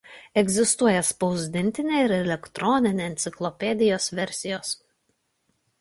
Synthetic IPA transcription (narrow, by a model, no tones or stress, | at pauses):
ɛɡʲzʲɪst̪uɔjɛspɒʊzʲd̪ʲɪnʲt̪ʲɪnʲeːɪɾɛlʲɛkt̪ɾɔnʲɪnʲeɛnt̪sʲɪklˠɔpʲɛd̪ʲɪjoːsʋʲɛɾʲˑsʲɪjoːs